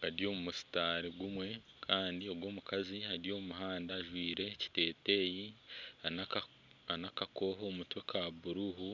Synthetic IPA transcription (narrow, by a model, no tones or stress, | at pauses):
aɾjo̞ːmumusi̥taːɾiɡumwe̞ | kʰaːndio̞bɡwo̞ːmukaziaɾijo̞ːmuɦaːndaːʒwiːɾe̞ci̥te̞ːte̞ːjia | anakako̞ːɦoːmutwe̞kʰabuɾuɦu